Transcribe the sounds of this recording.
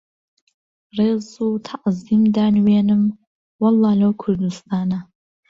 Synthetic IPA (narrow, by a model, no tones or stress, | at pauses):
rezutʰaqzimdaːnweːnɨm | wɐlːaːlowkʷʰʊrdustʰaːna